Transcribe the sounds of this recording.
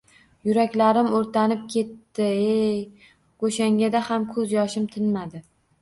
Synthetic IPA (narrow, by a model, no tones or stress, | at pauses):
jʊɾakʲlaɾɪmoɾt̪ʰanɪp̚kʲʰe̞t̪ːɪej | ɡoʃaŋʲad̪ahamkʰɵzjɒʃɪmt̪ʰɪnmad̪ɪ